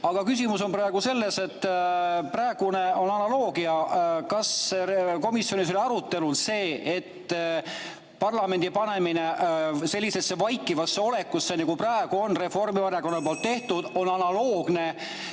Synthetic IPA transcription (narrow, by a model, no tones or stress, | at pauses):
ɑɡ̥ɑkys̬ʲimuso̞nprɑe̞ɡ̥use̞lːe̞se̞t̪ːpræeɡ̥une̞o̞nɑnɑlo̞ːɡ̥iɑkɑseko̞misjo̞nis̬o̞lʲiɑɾut̪ːe̞lud̪se̞ːet̪ː | pɑrlɑme̞nd̪̥ipɑne̞mine̞se̞lʲːise̞sːe̞vɑjkːˑivɑsːe̞o̞le̞kːˑusːeneɡuprɑeɡ̥uo̞nre̞fo̞rmivɑɾjɑko̞nːɑlpoːlt̪ːe̞ht̪ud̪̥o̞nɑnɑlo̞ːɡ̥ne̞